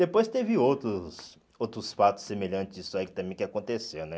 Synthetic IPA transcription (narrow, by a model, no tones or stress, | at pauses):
d̪̥epojst̪evɪowt̪ɾʊs | owt̪ɾʊsfat̪ʊ̥sːemeʎɐ̃t͡ʃɪzisʊaikɪt̪ɐ̃mbẽj̃kɪakõnt̪esewnɛ